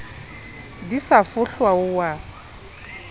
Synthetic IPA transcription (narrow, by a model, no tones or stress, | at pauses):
disafʊɬwaʊwa